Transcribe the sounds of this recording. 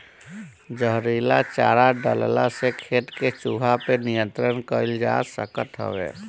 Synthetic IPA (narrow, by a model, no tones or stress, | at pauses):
d͡ʒəɦɾilat͡ʃaːɾaɖəlla̰sekʰeʈket͡ʃuɦapenijə̃nt̪ɾənkəɾild͡ʒa̰sə̰kət̪ɦə̰ʋḛː